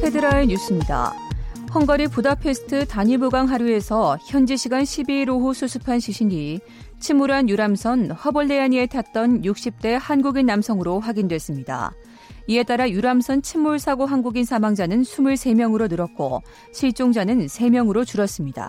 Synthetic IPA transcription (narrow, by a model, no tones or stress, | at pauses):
pʰe̞dɯɾaeɲus͈ɯmɲida̰hʌŋɡʌɾipudapʰe̞sʰɯ̥tʰɯtaɲimuɡaŋɦaɾue̞sʰʌçjʌnd͡ʑiɕʰiɡanɕʰibiːɾoɦusʰusʰu̥pʰanɕʰiɕʰini | t͡ɕʰimːuɾanjuɾamsʰʌnhʌbʌɭːeaɲie̞tʰat͈ʌnjuk̚ɕ͈ip̚t͈e̞hanɡuɡinːamsʰʌŋɯɾoɸwaɡindwe̞s͈ɯmɲida̰ | ie̞t͈aɾajuɾamsʰʌnt͡ɕʰimːuɭsʰaɡoɦanɡuɡinsʰamaŋd͡ʑanɯnsʰumuɭsʰe̞mjʌŋɯɾonɯɾʌk̚k͈o̰ | ɕʰiɭt͡ɕ͈oŋd͡ʑanɯnsʰe̞mjʌŋɯɾot͡ɕuɾʌs͈ɯmɲida̰